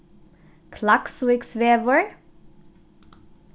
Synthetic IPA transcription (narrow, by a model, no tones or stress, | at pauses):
kʰlakswɪksʋeːʋəɹ